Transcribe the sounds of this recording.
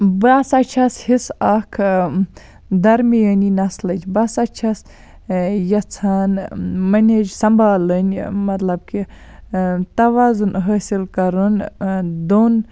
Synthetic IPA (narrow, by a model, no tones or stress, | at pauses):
basɐt͡ʃʰɐshisakʰ | d̪ɐɾmijəninɐslɐd͡ʒbɐsɐt͡ʃʰɐs | jɐt͡sʰaːnmɐnʲed͡ʒsɐmbʱaːlənʲmɐt̪lɐb̚ki | t̪ɐʋaːzunɦəːsilkɐɾund̪oːn